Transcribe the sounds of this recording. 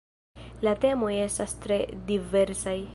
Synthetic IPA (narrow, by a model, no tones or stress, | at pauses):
late̞mo̞je̞stastɾe̞dive̞ɾsaj